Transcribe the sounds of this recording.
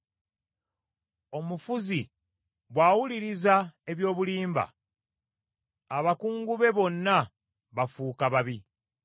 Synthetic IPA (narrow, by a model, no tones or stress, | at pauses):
o̞mufuzi | βwaːwuliɾizae̞βjo̞ːβuliːmba̰ | aβakuːŋɡuβe̞βo̞nːa | βafuːkaβaβi